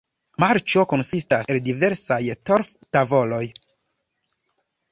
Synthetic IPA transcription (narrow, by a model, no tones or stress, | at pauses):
maɾt͡ʃo̞konsistaseldive̞ɾsajto̞ɾf | tavo̞lo̞j